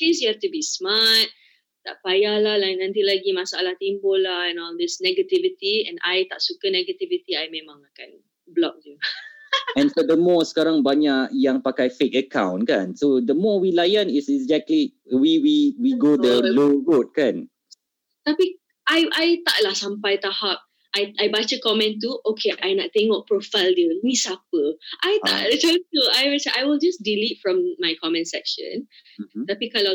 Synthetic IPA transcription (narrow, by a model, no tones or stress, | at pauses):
kesjuaft̪ubismat̪̚ | t̪a̰ʔpajahlahlanãnt̪ilaɡimasa̰laht̪impolanad̪ɛsnɛɡət̪ivit̪iɛ̰̃na̰jt̪aʔsukənɛɡət̪ivit̪iajmemãŋakan | blɔ̰k̚d̪u | ɛ̃nfɔd̪əmɔsə̥kaɾãŋbaɲaʔjãŋpakajfekəkã̰w̃nkãnsod̪əmɔwilajə̃nisɛzɛk̚t̪li | wiwiwiɡodəloɹot̚kãn | t̪api | ʔajʔajt̪a̰ʔlasãmpajt̪ahap̚ | ʔajajbat͡ʃəkɔmɛ̃ntuokʰeʔajnaʔt̪ẽŋɔʔ̚pɹofaɪldəmisap̚əʔajt̪a̰ʔt͡ʃatuajwɛsaʔajwild͡ʒasdilitfɹɔ̃mːajkʰɔmɛ̃nsɛ̰kʃə̰̃nt̪apikala